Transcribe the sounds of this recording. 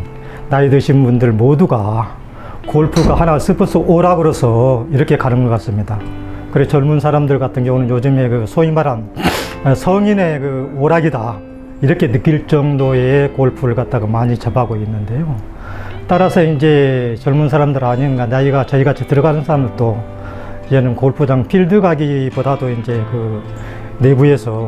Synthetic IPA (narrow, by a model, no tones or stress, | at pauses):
naidɯɕʰinbundɯɭmoduɡa | koɭpʰuɡahanas͈ɯpʰɯs͈ʰɯʔoɾaɡɯɾosʰʌiɾʌkʰe̞kanɯnɡʌk͈as͈ɯmɲidakɯɾeot͡ɕʌɭmunsʰaɾamdɯɭkatʰɯnɡjʌŋunɯnjod͡ʑɯmɦe̞kɯsʰoŋimaɾan | sʰʌŋine̞kɯoɾaɡida | iɾʌkʰe̞nɯk͈iɭt͡ɕ͈ʌŋdoe̞koɭpʰuɾɯɭkat̚t͈aɡomaɲit͡ɕabaɡoinːɯnde̞jo | t͈aɾasʰʌind͡ʑe̞t͡ɕʌɭmunsʰaɾamdɯɾaɲinnɡanaiɡat͡ɕʌiɡat͡ɕʰitɯɾʌɡanɯnsʰaɾamɯɭt͈o | id͡ʑe̞nɯnkoɭpʰud͡ʑaŋpʰiɭdɯɡaɡibodadoind͡ʑe̞kɯ | ne̞bue̞sʰʌ